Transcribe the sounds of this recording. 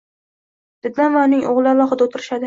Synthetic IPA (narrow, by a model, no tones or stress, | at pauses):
d̪̥ɪd̪lanvaʊnɪŋʔoʁlˠɪalˠɒχɨd̪aot̪ʰɪɾɪʃad̪ɪ